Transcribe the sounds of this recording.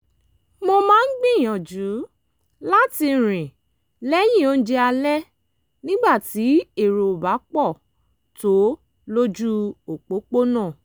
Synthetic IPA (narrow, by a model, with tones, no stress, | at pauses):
mõ˧mãː˦n̩˦ɡ͡bĩ˦˨j̃ɔ̃˨d͡ʒu˨˦ | la˦ti˧˨ɾ̃ĩ˨ | lɛ˦j̃ĩ˦˨o˦n̩˦d͡ʒɛ˧a˧lɛ˦ | nĩ˦ɡ͡ba˦˨ti˨˦e˦˨ɾo˨o˨ba˨˦k͡pɔ˦˨ | to˦ | lo˦d͡ʒu˦o˨k͡po˨˦k͡po˦nãː˦˨